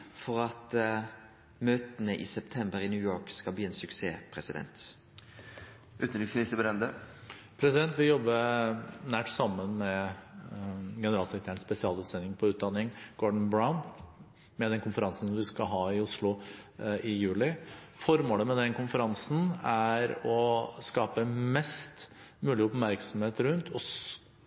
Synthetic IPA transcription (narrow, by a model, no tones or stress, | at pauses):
fɔɾɑt̪ | møːt̪ənəʔɪ̰sɛpt̪ʰɛmbəɾɪnʉːjoːkskɑlb̪iːeːnsʉksḛːpʰɾɛsɪd̪ɛ̰nt̪ | ʔʉːt̪nɾɪksmɪst̪əbəɾɛnd̪ə | pʰɾɛsɪd̪ɛnt̪ʋɪjɔbːənæʈsɑmːənmɛ | ɡɛnəɾɑːlsɛkɾət̪ʰæːɳspɛsɪɑːlʉːt̪sɛnːɪŋpʰɔʉːt̪̚d̪ɑnːɪŋɡ̥ɔɖɳ̩bɾaʊn | mɛd̪ɛnkʰʊnfəɾɑnsn̩sɔmʋɪskɑɦɑːɪʊslʊʔɪjʉːlɪfɔɾmoːləmɛd̪ɛnkʊnfəɾɑnsn̩æɾɔskɑːpəmɛst̪mʉːlɪəʊpmæɾksɔmheːt̪ɾʉnt̪ʰɔs